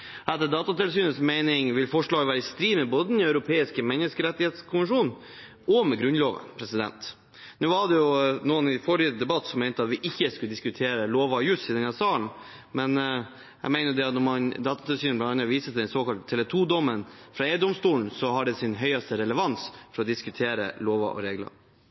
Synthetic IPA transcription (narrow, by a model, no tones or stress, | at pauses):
ɛt̪ːəd̪ɑːt̪ɑt̪ɪlsyːnəsmɛɪnɪŋʋɪlfɔʂɭɑːɡʋæːɾəɪst̪ɾiːmɛboːd̪ənɑʉɾʊpʰeːɪskəmɛnəskəɾɛt̪ːɪheːt̪skʰʊmʋənʂuːn | ɔmɛɡɾʉnloːʋə̰npʰɾɛsɪd̪ɛ̰nt̪ | nʉːʋɑɖɛjʊnuːənɪfɔɾɪəd̪ɛbɑt̪ːsɔmːɛɪt̪əɑt̪ʋɪʔɪçːəskʉləd̪ɪskʉt̪ʰeːɾəloːʋɑjʉsiːd̪ɛnɑsɑːɳ | mɛn | ɛ̰ɡmæɪnəɾjʊd̪ɛɑt̪nɔmɑnd̪ɑːt̪ɑt̪ɪlsyːnblɑnɑnɑʋiːsət̪̚d̪ɛnsoːkɑlt̪ʰːɛlɛt̪ʰuːd̪ɔmənfɾɑeːəd̪ɔmst̪uːln̩sɔɦɑɖɛsɪnɦœʏɑst̪əɾɛləʋɑnsfɔɾɔd̪ɪskʉt̪ʰeːɾə̰loːʋɑ̰ʔɔ̰ɾeːɡlə̰ɾ